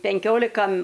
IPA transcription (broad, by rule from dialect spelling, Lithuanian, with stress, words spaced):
pʲɛŋʲˈkʲoːlʲɪkɐ